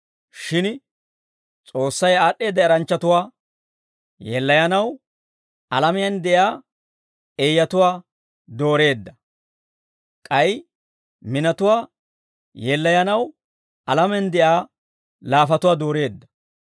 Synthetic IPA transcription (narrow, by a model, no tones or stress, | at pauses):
ʃɪn | t͡sʼo̞ːsːɐjaːɗe̞ːd̪ːɐɐɾɐnt͡ʃːɐt̪ʊwaː | jɛlːɐjɐnɐw | ɐ̰lɐmɪjɐnd̪ɛʔjaː | ejːɐt̪ʊwaː | d̪o̞ːɾe̞ːd̪ːɐ | kʼɐj | mɪnɐt̪ʊwaː | jɛlːɐjɐnɐw | ɐlɐmɛnd̪ɛʔaː | laːfɐt̪ʊwaːd̪o̞ːɾe̞ːd̪ːɐ̥